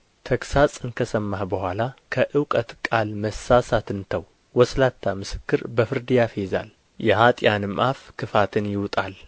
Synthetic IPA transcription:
t̪ʰəksat͡sʼɨnkʰəsəmːahbəhʷalakʰəʔɨwkʼət̪kʼalməsːasat̪ɨnt̪ʰəw | wɔslat̪ʰːamɨsɨ̥kːɨɾbəfɨɾd̪ɨjafeza̰l | jɛhat̪ʼjanɨmʔafkʰɨfat̪ʰɨnjɪwt̪ʼal

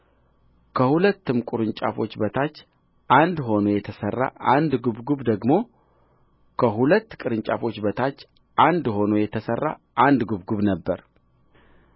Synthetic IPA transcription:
kʰəhulət̪ːɨmkʼuɾɨɲt͡ʃʼa̰fo̞t͡ʃːbət̪ʰat͡ʃː | ʔand̪ɦo̞nojɛt̪ʰəsərːa̰ʔand̪ɡuβɡuβd̪əɡmo̞ | kʰəɦulət̪ːkʼɨɾɨɲt͡ʃʼa̰fo̞t͡ʃːbət̪ʰat͡ʃː | ʔand̪ho̞nojɛt̪ʰəsərːa̰ | ʔand̪ɡuβɡuβnəbːəɾ

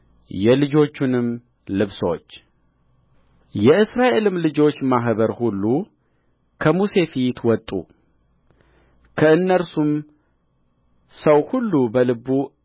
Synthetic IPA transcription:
jɛlɨd͡ʒo̞t͡ʃːunɨm | lɨβsot͡ʃː | jɛʔɨsɾaʔe̞lɨmlɨd͡ʒo̞t͡ʃːmaɦbəɾhulːu | kʰəmuse̞fit̪wɔt̪ʼːṵ | kʰəɨnːəɾsum | səwhulːubəlɨbu

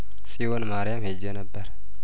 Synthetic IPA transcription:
sʼiwonmaɾɪjamhed͡ʒːɛnəbːəɾ

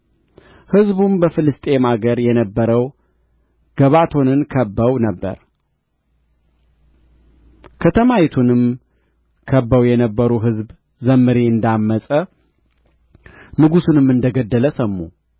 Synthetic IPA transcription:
hɨzbumbəfɨlɨst̪ʼe̞maɡəɾjɛnəbːəɾəw | ɡ̥əβat̪ʰo̞nɨnkʰəbːəwnəbːə̰ɾ | kʰət̪ʰəmawit̪ʰunɨm | kʰəbːəwjɛnəbːəɾuɦɨzb | zəmːɨɾeɨnd̪amːəsʼə | nɨɡusunɨmɨnd̪əɡəd̪ːələsəmːu

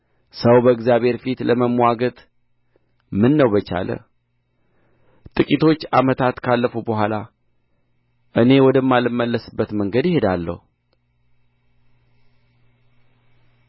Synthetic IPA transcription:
səwbəɨɡzjaβe̞ɾfit̪ləməmwaɡət̪ʼ | mɨnːəwbət͡ʃa̰lə̰ | t̪ʼɨkʼit̪ʰo̞t͡ʃːamət̪ʰat̪kʰalːəfubəɦʷala | ʔɨne̞wɔd̪əmːalɨmːəlːəsɨbːət̪məŋɡəd̪jɪhe̞d̪alːə̰hu

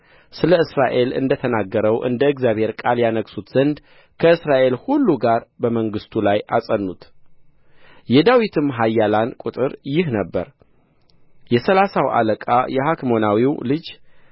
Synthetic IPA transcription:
sɨləɨsɾaʔe̞lɨ̰nd̪ət̪ʰənaɡːəɾəwʔɨ̰nd̪əɨɡzjaβhe̞ɾkʼaljanəksut̪z̥ənd̪ | kʰəɨsɾaʔe̞lhulːuɡaɾbəməŋɡɨst̪ʰulajʔasʼənːut̪ | jɛd̪awit̪ʰɨmɦajːalankʼut̪ʼɨɾjɪɦnəbːəɾ | jɛsəlasawʔa̰ləkʼa̰jɛɦakmo̞nawiwlɨd͡ʒ

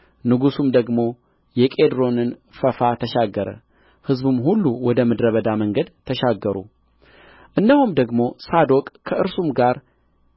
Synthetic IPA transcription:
nɨɡusumd̪əɡmo̞ | jɛkʼed̪ɾo̞nɨnfəfat̪ʰəʃaɡːəɾə̰ | hɨzbɨmhulːuwɔd̪əmɨd̪ɾəβəd̪aməŋɡəd̪t̪ʰːəʃaɡːəɾṵ | ʔɨnd̪əhumd̪əɡmo̞sad̪o̞kʼkʰːəʔɨɾsumɡaɾ

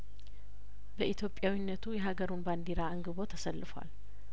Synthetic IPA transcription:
bəʔit̪ʰjo̞pʼːjawinːət̪ʰujɛɦaɡəɾunband̪iɾaɨŋɡɨβo̞t̪ʰəsəlːɨfəwa̰l

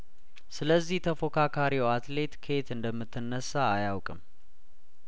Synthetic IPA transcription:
sɨləzːiht̪ʰəfo̞kʰakʰaɾiwat̪le̞t̪kʰe̞t̪ɨnd̪əmːɨt̪ʰːɨnːəsːaːjawkʼɨ̰m

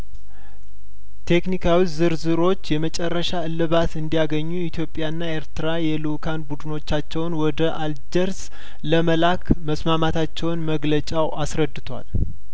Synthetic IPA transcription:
t̪ʰe̞knikʰawizɨɾzɨɾo̞t͡ʃːjɛmət͡ʃʼɛrːəʃaɨlːɨβat̪ɨnd̪ijaɡəɲːuit̪ʰjo̞pʼːjaɨnːae̞ɾt̪ɨɾajɛlukʰanbud̪ɨno̞t͡ʃːat͡ʃːɛwnwɔd̪əʔald͡ʒəɾs | ləməlakʰməsmamat̪ʰat͡ʃːɛwnməɡlət͡ʃʼawʔasɾəd̪ːɨt̪ʰwa̰l

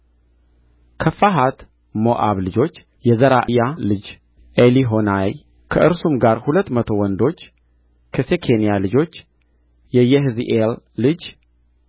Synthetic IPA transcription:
kʰəfaɦat̪ | moʔa̰βlɨd͡ʒo̞t͡ʃː | jɛzəɾaʔɨjalɨd͡ʒ | ʔeliɦo̞naj | kʰəʔɨɾsumɡaɾhulət̪ːmət̪ʰo̞wɔnd̪o̞t͡ʃː | kʰəsekʰe̞nijalɨd͡ʒo̞t͡ʃː | jɛjɛɦɨziʔelː | ɨd͡ʒ

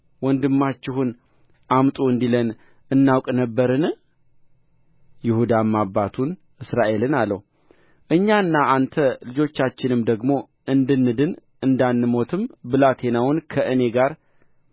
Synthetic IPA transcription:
wɔnd̪ɨmːat͡ʃːɪɦun | ʔamt̪ʼuɨnd̪ilən | ɨnːawkʼnəbːəɾɨn | jɪhud̪amːabːat̪ʰun | ʔɨsɾaʔe̞lɨnalːə̰h | ʔɨɲːanːaʔant̪ʰəlɨd͡ʒo̞t͡ʃːat͡ʃːɪnɨmd̪əɡmo̞ | ɨnd̪ɨnːɨd̪ɨn | ɨnd̪anːɨmo̞t̪ʰɨmbɨlat̪ʰe̞nawʊnkʰəʔɨne̞ɡaɾ

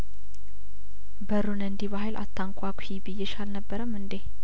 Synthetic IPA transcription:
bəɾunɨnd̪iβahajlʔa̰t̪ʰːaŋkʷʼakʰʷhibɨjːɛʃalnəbːəɾəmɨnd̪e

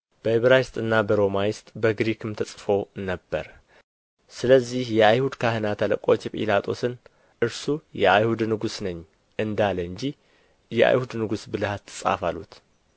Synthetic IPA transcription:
b̥əhiβɾajɪst̪ʼɨnːabəɾo̞majɪst̪ʼbəɡɾikʰɨmt̪ʰəsʼfo̞nəbːə̰ɾ | sɨləzːihjɛajhud̪kʰahənat̪ʰələkʼo̞t͡ʃːɛpʼḭlat̪ʰʼo̞sɨn | ʔɨɾsujɛajhud̪nɨɡusnəɲː | ʔɨnd̪aləɨɲd͡ʒi | jɛʔa̰jhud̪nɨɡusbɨlɨhat̪ʰːɨ̥sʼa̰falut̪

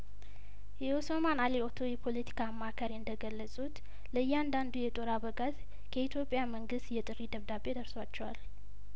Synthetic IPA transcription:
jɛosomanaleot̪ʰo̞jɛpʰo̞lət̪ʰi̥kʰaːmːakʰəɾiɨnd̪əɡəlːəsʼut̪ | ləɨjːɛand̪and̪ujɛt̪ʼo̞ɾaβəɡat̪ | kʰəit̪ʰjo̞pʼːjaməŋɡɨst̪jɛt̪ʼɨɾid̪əβd̪abe̞d̪əɾswat͡ʃːɛwal

